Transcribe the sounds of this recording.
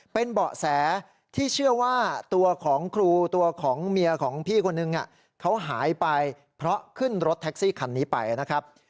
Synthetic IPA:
pe˧nbɔː˨˩ʔsɛː˩˦ | t̪ʰiː˥˩t͡ɕʰɯ˥˩ɐwaː˥˩t̪u˧ɐkʰɔː˩˦ŋkʰɾuː˧t̪u˧ɐkʰɔː˩˦ŋmi˧ɐkʰɔː˩˦ŋpʰiː˥˩kʰo˧nːɯ˧ŋʔa̰˨˩ | kʰa˦˥wɦaː˩˦jpa˧j | pʰɾɔ˦˥kʰɯ˥˩nɾo˦˥t̪ʰːɛ˦˥k̚siː˥˩kʰa˧nːiː˦˥pa̰˧jna˦˥kʰɾa˦˥p̚

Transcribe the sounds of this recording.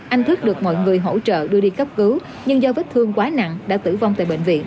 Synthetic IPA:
ʔa˧jŋ̟t̪ʰɨ˦˥k̚ɗɨ˨˩ək̚mɔ̰˧˨jŋɨ˨˩əjɦo̰˧˥t͡ɕə̰ː˧˨ɗɨ˧əɗi˧kə˦˥p̚kɨ˨˦w | ɲɨ˧ŋzɔ˧və˦˥t̚t̪ʰɨ˧əŋkwaː˨˦na̰˧˨ŋɗa̰ː˧˥t̪ɨ̰˧˩va˧wt̪ːjɓḛ˧˨ŋ̟vḭ˧˨ən

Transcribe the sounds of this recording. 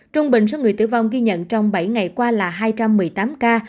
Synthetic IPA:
t͡ɕʊ˧ŋ͡mɓḭ˧˨ŋ̟sɔ˨˧˦ŋɨ˨˩əjt̪ɨ̰˧˩vɔ̰˨wŋ͡mɣi˧ɲə̰˧˨nt͡ɕɔ˧wŋ͡mɓa˧˩jŋa˨˩jkwaː˧laː˨˩ɦaː˧jt͡ɕa˧mːɨ˨˩əjt̪aː˨˦mkaː˧

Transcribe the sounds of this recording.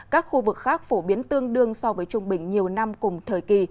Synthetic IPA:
kaː˦˥k̚xu˧vɨ˨˩k̚xaː˦˥k̚fo˧˩ɓi˨˦ənt̪ɨ˧əŋɗɨ˧əŋsɔ˧vəː˨˦jt͡ɕʊ˧ŋ͡mɓï˧˩ŋ̟ɲi˨˩əwna˧mkʊ˨˩ŋ͡mt̪ʰəː˧˩jki˧˩

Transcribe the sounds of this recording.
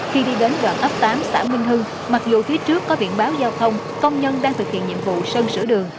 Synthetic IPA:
xi˧ɗi˧ɗe˨˦nɗwaː˧˩nʔə˦˥p̚t̪aː˨˦msa̰ː˧˩mï˧ŋ̟ɦɨ˧ŋ | ma˨˩k̚zu˨˩t̪ʰi˨˦t͡ɕɨ˦˥əkːɔ˨˦vḭ˧˨ənɓaː˨˦wzaː˧wt̪ʰə˧wŋ͡m | kə˧wŋ͡mɲə˧nɗaː˧ŋt̪ʰɨ˨˩k̚hḭ˧˨ənɲḭ˧˨əmvṵ˧˨sə˧nsɨ̰˧˩əɗɨ˨˩əŋ

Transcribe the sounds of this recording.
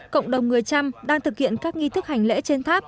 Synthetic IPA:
kə̰˧˨wŋ͡mɗə˨˩wŋ͡mŋɨ˨˩əjt͡ɕa˧mɗaː˧ŋt̪ʰɨ˨˩k̚hḭ˧˨ənkaː˦˥k̚ŋi˧t̪ʰɨ˦˥k̚ha˨˩jŋ̟lḛ˧˥t͡ɕe˧nt̪ʰaː˦˥p̚

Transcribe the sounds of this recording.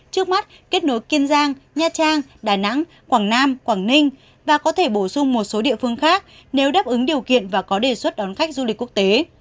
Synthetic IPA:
t͡ɕɨ˦˥ək̚ma˦˥t̚ke˦˥t̚no˨˦jki˧ənzaː˧ŋɲaː˧t͡ɕaː˧ŋɗaː˧˩na̰˧˥ŋ | kwaː˧˩ŋnaː˧mkwaː˧˩ŋnï˧ŋ̟ | vaː˨˩kɔ˨˦t̪ʰe˧˩ɓo˧˩sʊ˧ŋ͡mmo˨˩t̚so˨˦ɗḭ˧˨əfɨ˧əŋxaː˦˥k̚ | ne˨˦wɗaː˦˥p̚ʔɨ˨˦ŋɗi˨˩əwkḭ˧˨ənvaː˨˩kɔ˨˦ɗe˨˩swə˦˥t̚ɗɔ˨˦nxa˦˥jk̟̚zu˧lï˨˩kkːwək̚t̪e˨˦

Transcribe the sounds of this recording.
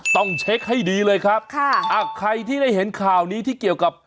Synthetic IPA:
t̪ɔ˥˩ŋt͡ɕʰe˦˥k̚ha˥˩jdiː˧lɤː˧jkʰɾa˦˥p̚kʰa˥˩ʔa˧˩kʰɾa˧jt̪ʰiː˥˩da˥˩jhe˩˦nkʰaː˨˩wniː˦˥t̪ʰiː˥˩ki˨˩əwka˨˩p̚

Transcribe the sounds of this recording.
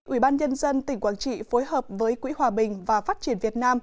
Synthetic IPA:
ʔi˧˩ɓaː˧nɲə˧nzə˧nt̪ï̟˨˩kwaː˧˩nt͡ɕḭ˧˨fo˨˦jhəː˨˩p̚vəː˨˦jkwḭ˧˥ɦwaː˨˩ɓï˨˩ŋ̟vaː˨˩faː˦˥t̚t͡ɕi˧˩ənvi˨˩ət̚naː˧m

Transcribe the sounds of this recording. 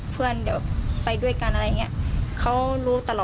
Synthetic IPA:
pʰɯ˧˥˩əndi˨˧˩wpa˧jdu˥˩əjka˧nʔa˧ɾa˧ja˨ŋi˧˥ɐ˨kʰa˦˥wluː˦˥t̪a˧lɔː˨

